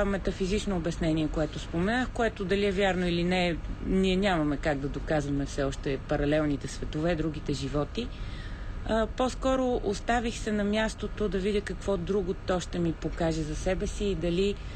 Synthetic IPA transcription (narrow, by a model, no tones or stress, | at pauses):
mɛt̪ɐfizit͡ʃnoːbɛsnɛniɛkoɛt̪ospomɛnaxkoɛt̪od̪ɐliɛvʲjaɾnoilinɛniɛnʲamɐmɛkaɡd̪ɐd̪okazvɐmɛfsɛɔʃt̪ɛpɐɾɐlɛlˠnit̪ɛsvɛt̪ovɛd̪ɾuɡ̟it̪ɛʒivɔt̪i | poskɔɾoʔost̪avixsɛnɐmʲjast̪ot̪od̪ɐvidʲəkɐkv̥ɔd̪ɾuɡot̪ɔʃt̪ɛmipokaʒɛzɐsɛbɛsiːd̪ɐli